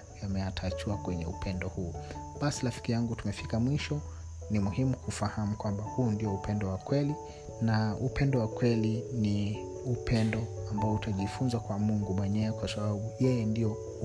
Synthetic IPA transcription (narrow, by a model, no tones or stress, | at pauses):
jamɛatʰat͡ʃuakwɛɲɛṵpʰɛndɔhuːɓasilafi̥kijaŋɡutumɛfikamwiʃɔ | nimuhimukufahamukwambahuːndiɔupɛndɔwakwɛli | naupɛndɔwakwɛlini | upɛndɔambaɔutʰaʄifunzakwamuŋɡumwɛɲɛɛkwasaɓaɓujɛjɛndiɔ